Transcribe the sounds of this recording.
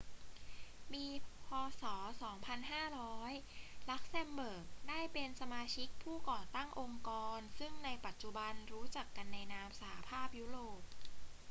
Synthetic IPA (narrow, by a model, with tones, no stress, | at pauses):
miː˧pʰɔː˧sɔː˩˦sɔː˩˦ŋpʰa˧nɦaː˥˩ɾɔː˦˥jla˦˥k̚sɛ˧mbɤː˨˩k̚daː˥˩jpe˧nsa˧maː˧t͡ɕʰi˦˥k̚pʰuː˥˩kɔː˨˩t̪a˥˩ŋʔo˧ŋkɔː˧nsɯ˥˩ŋna˧jpa˨˩t̪̚t͡ɕu˨˩ba˧nɾuː˦˥t͡ɕa˨˩kːa˧nːa˧jnaː˦˥msa˧ha˧pʰaː˥˩p̚ju˦˥ɾoː˨˩p̚